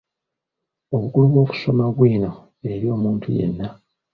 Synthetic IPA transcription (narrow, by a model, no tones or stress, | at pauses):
o̞βukuluβwo̞ːku̥so̞maβwiːno̞ | e̞ɾijo̞ːmuːntʰṵjḛnːa